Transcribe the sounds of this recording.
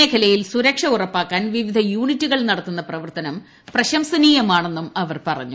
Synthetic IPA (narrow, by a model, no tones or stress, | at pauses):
eːkʰɐlɐjilsuɾɐkʂɐurɐpːaːkːaːnʋiʋid̪ʱɐjuːɳitːuɣɐɭnɐɽɐt̪ːunːɐprɐʋɐrt̪ɐnɐm | prɐɕɐmsɐniːjɐmaːɳe̞nːumɐʋɐrpɐrɐ̰ɲːu